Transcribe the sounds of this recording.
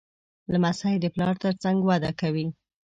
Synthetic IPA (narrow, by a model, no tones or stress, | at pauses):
lamasajd̪əplɑɾt̪əɾt͡saŋɡwad̪akawi